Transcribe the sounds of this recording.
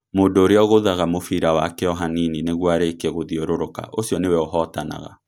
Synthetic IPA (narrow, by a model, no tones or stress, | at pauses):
moːndoːɾeɔɣoðaɣamofiɾawakɛɔɦaninineɣwaɾekɛɣoðioɾoɾoka̰ʔosjɔnewɛoɦɔtana̰ɣa̰